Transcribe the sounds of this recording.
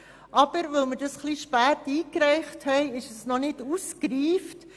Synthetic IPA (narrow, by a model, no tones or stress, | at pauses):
ʔɑb̥əɾʋɵlməɾdɑsχliʃpæːtiːkɾɛɪχthɛɪɪʃəsnɔnɪduskɾiːft